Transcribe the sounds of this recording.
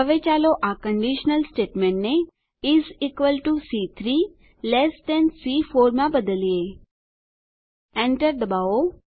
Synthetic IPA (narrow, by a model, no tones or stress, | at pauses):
əʋet͡ʃaːloʔakə̃ɳɖiʃnəlsʈeːʈmẽɳʈne | ɪzikʋəlʈusit̪ʰɾiː | lɛsd̪ɛ̃nsiːfoːɾmãbəd̪əlie | ɛ̃ɳʈəɾd̪əbao